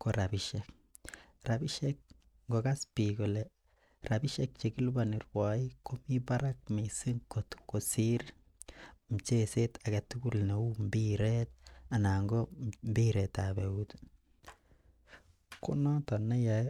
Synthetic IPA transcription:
koɾabiʃek | rabiʃek̚ | ŋɡokaspikolɛ | rabiʃek̚t͡ʃekilubanirwaikomipaɾak̚misiŋkot̪kosiɾ | m̩t͡ʃesetʰakatukulneumbiɾet̪̚anaŋɡombiɾɛtabeut | ko̰nɔtanaja

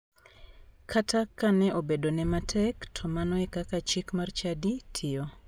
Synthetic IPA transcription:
kʰatʰakːanɛʔobedonɛmatʰɛktʰɔmanɔɛkakat͡ʃikmart͡ʃaditʰɪo

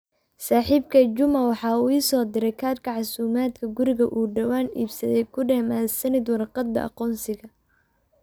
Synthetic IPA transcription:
saːħiːb̚kʰɐd͡ʒʊmɐwɑħɑːuːiːsɔːd̪ɪɾɛjkʰaːd̪kʰɐʕɑsuːmaːd̪kʰɐɡʊɾɪɣɐ̰ʔuːɖɐwaːnḭːbsɐðɛjkʰʊɖɛːmaːsɐnɪd̪wɑrqɑd̪ːɐ̰ʔɑ̰qɔːnsɪɣɐ

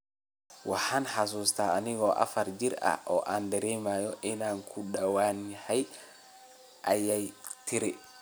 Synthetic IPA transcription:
wʔaħanħas̬uːst̪aːnɪɡɔʔa̰fɐɾd͡ʒiɾa̰ɔʔaːndɛɾɛjmaːjɔʔɪnaːŋkʰuɗawaːniħaj | ʔajajt̪ʰiɾɛ

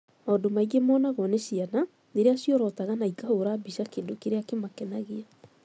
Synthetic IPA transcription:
aːdomaiɣemɔːnaɣɔneɕiana | neɾeaɕiɔɾɔtaɣanaikahoɾabiʃakendokeɾeakemakɛnaɣea

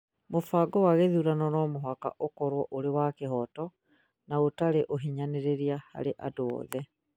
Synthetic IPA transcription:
mofaːɡɔwaɣeðuɾanɔnɔːmoɦaka̰ʔokɔɾwɔʔoɾewakeɦɔtɔ | naotaɾeʔoɦiɲaneɾeɾiaha̰ɾeʔadoɔ̰ðɛ

